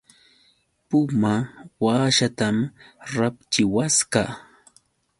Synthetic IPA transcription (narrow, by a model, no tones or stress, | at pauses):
pʊmawaːʃat̪amɾapt͡ʃɪwaska